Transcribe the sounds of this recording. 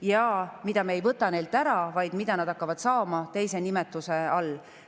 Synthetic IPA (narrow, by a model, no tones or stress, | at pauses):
jɑːmid̪̥ɑmeejvɤt̪ːˑɑne̞jld̪æɾɑvɑjd̪̥mid̪̥ɑnɑd̪ɑkːɑvɑd̪̥sɑːmɑt̪e̞jse̞nimet̪ːˑuse̞ɑlː